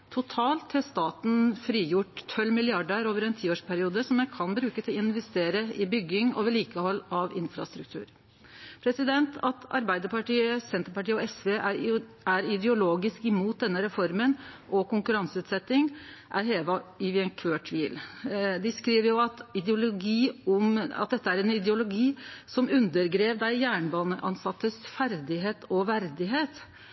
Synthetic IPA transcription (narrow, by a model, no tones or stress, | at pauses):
t̪ʰʊt̪ʰɑːlt̪ʰhɛst̪ɑːt̪n̩fɾiːjʊʈt̪ʰɔlmɪlɪɑɖəɾoːʋəɾɛnt̪ʰiːoːʂpʰæɾɪuːd̪əsɔmjækʰɑnbɾʉːkət̪ʰɪlɪnʋɛst̪eːɾəɪbʏɡɪŋɔ̰ʋɛliːkəhɔlːɑʋɪnfɾɑ̰st̪ɾʉkt̪ʰʉ̰ːɾ | pʰɾɛsɪd̪ɛnt̪ʰɑt̪ʰɑ̰ɾbæɪd̪əpɑʈiːəsɛnt̪əɾpɑʈiːəɔɛsʋeː | æɾɪd̪ɛʊloːɡɪskɪmuːt̪̚d̪ɛnːəɾɛfɔɾmənʔɔkʊŋkʉɾɑŋsəʉːt̪sɛt̪ːɪŋʔæɾɦeːʋɑɪʋɪɛnkʰøːʈʰʋiːld̪ɪskɾiːʋəɾjʊɑt̪ɪd̪ɛʊlʊɡiːɔmɑ̰t̪̚d̪ɛt̪ːəæɾɛnɪd̪ɛʊlʊɡiːsɔmʉnd̪əɾɡɾeːʋd̪æɪjæːɳbɑːnəʔɑnsɑt̪ːəsfæɾd̪ɪɦeːt̪ʰɔʋæɾd̪ɪɦeːt̪